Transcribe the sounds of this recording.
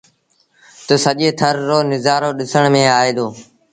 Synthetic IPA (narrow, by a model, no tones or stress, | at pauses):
t̪əsəʄeːt̪ʰəɾːoːnɪzaːɾoːɗɪsəɳmẽːaːeːd̪oː